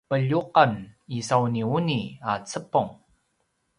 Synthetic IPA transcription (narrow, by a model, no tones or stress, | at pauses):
pəʎuqanisawniuniat͡səpuŋ